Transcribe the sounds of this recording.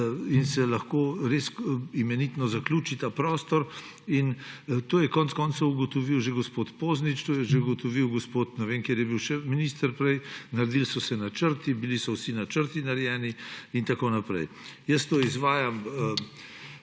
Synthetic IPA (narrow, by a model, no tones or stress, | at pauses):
insɛlɐxkoːɾeːsimɛnit̪nɔzaklʲuːt͡ʃit̪aːpɾɔːst̪ɔɾ | int̪oːjɛkɔːnt̪skɔːnsɐuɡɔt̪ɔʋiwʒeɡospot̪poːznit͡ʃt̪oːjɛʒeuɡɔt̪ɔʋiwɡospoːt̪nɛʋeːnkeːɾjɛbiwʃɛminist̪əɾpɾɛjnaɾd̪ilsɔsɛnat͡ʃəɾt̪ibilisɔwsinat͡ʃəɾt̪inaɾjɛːniint̪akonapɾɛ̰j | jəst̪oːizʋaːjam